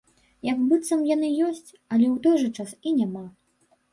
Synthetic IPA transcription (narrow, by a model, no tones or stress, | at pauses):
jɐɡbɨt̪sɐmjanɨjɔsʲt͡sʲ | ɐlʲɛwt̪ɔjʐɐt͡ʂasinʲama